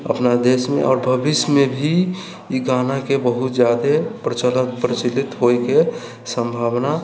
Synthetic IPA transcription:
ə̰pnad̪eːsmḛ̃ʔɔ̰ːɾbʱəbɪʃmẽbʱi | iɡaːnakebəɦʊt̪d͡ʒjaːd̪epɾət͡ʃələt̪̚pɾət͡ʃilɪt̪ɦoeke | sə̃mbʱaːwna

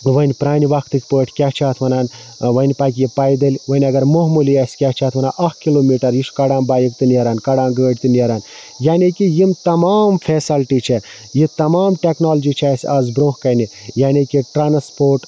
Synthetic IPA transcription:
ʋɐnʲpɾaːniʋɐkʰt̪ɨkʲpəːʈʰʲkʲat͡ʃʰaːt̪ʰʋɐnaːn | ʋɐnʲpaːk̬ʲjipaːjd̪ɐlʲʋɐnʲɐɡɐɾmoɦmuliasʲkʲaht͡ʃʰaːt̪ʰʋɐnaːʔɐkkiloːmiːʈɐɾjiʃkɐɽaːnbaːjikt̪ɨnjɐɾaːnkɐɽãːnɡəːɖ̚ʲt̪ɨnjɐɾaːn | jaːnikijimt̪ɐmaːmfʰeːsɐlʈit͡ʃʰe | jit̪ɐmaːmʈeknaːld͡ʒit͡ʃʰaːsʲaːzbɾõːɦkɐni | jaːnikiʈɾaːnspoːɾʈ

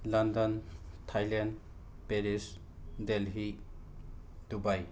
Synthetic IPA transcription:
landɔntʰajland | peɾis | delɦi | dubaj

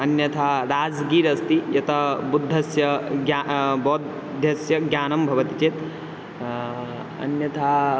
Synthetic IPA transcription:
ɐnjɐt̪ʰaɾaːd͡zɡiːɾɐst̪ijɐt̪ɐbud̪ʱːɐsjɐɡabod̪ʱ | ɐsjɐɡjaːnɐmbʱɐʋɐt̪it͡ʃet̪ | ɐ̰njɐt̪ʰa

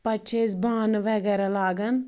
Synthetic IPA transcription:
pɐt͡ʃʰes̬baːnʋɛɡɛɾalaːɡɐn

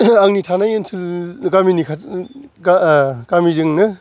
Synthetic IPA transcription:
aŋnitʰanajensʰɯlɡaminikʰaɡaɡ̥amizɯŋnɯ

